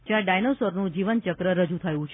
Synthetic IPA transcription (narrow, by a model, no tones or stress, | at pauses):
d͡ʒãɖajnosoɾnũd͡ʒiʋənt͡ʃəkɾəɾəd͡ʒũt̪ʰəjũt͡ʃʰ